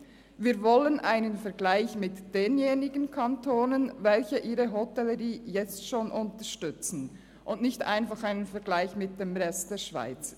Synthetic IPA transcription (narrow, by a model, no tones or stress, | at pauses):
viːɾvɔlənʔaɪnənfɛɐɡlaɪçmɪtd̥eːnjeːnɪɡən̩kʰantʰoːnənvɛlçəʔiːɾəɦotɛləʁiːjɛt͡stʃoːnʔʊntəʃtʏt͡sn̩ | ʔʊndnɪçtʔa̰ɪnfɑχaɪnənfɛɐɡlaɪçmɪt̚d̥eːmʁɛst̚d̥eːɐʃv̥a̰ɪt͡s